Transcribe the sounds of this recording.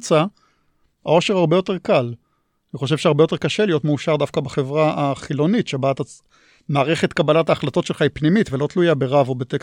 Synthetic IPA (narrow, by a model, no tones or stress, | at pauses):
t͡sa | a̰o̞ʃehaʁbe̞jote̞ʁkal | aniχo̞ʃ̬e̞v̥ʃeaʁbe̞jo̞te̞kaʃe̞lijotmeuʃaʁdafkabaχevʁaʔaχilo̞nitʃebaːt̪a | maːʁeχet̪kabalataːχlat̪o̞tʃelχaipnimitvelo̞t̪lujabeʁavo̞bet̪ek